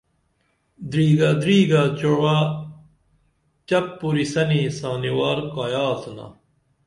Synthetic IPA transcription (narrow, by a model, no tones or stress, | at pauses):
d̪ɾiːɡad̪ɾiːɡat͡ɕowa | t͡ɕɐpːuɾisɐnisaːniwaːɾkaːjaːsuna̰